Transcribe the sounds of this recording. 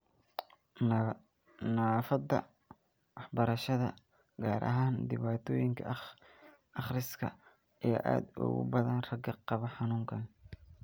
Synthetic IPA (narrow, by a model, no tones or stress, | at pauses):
nafɐd̪ɐ̰ | wɑħbɐɾɐʃɐðɐ | ɡaːɾʔɐ̰ɦaːnd̪ɪβaːt̪ʰɔːjɪŋkʰɐ̰ | ɑχrɪskʰɐ | ʔjaːʔa̰ːd̪ʊ̰ɣʊ̰bɐðɐnrɐɡɐqɑβɐħɑnuːŋkʰɐn